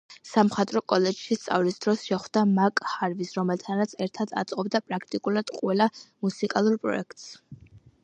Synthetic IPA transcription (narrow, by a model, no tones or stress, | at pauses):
samχat̪ʼɾɔkʼɔlɛd͡ʒʃist̪sʼa̰vlisd̪̥ɾɔsʃɛχd̪amakʼhaɾvisɾɔmɛlt̪ʰanɾat̪sʰɛɾt̪ʰad̪a̰t̪sʼqʼɔbd̪apʼɾakʰt̪ʼikʼulad̪̥qʼwɛlamusikʼalˠuɾpʼɾɔ̰ɛkʰt̪ʼs